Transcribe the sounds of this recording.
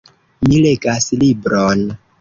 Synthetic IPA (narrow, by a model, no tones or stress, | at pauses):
mileɡaslibɾon